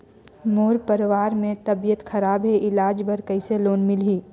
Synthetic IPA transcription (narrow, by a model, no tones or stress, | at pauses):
moːɾpɐɾʋaːɾmẽt̪ɐbijət̪xɐɾaːbɦeʔɪlaːd͡ʒbɐɾkɐɪseloːnmɪlɦiː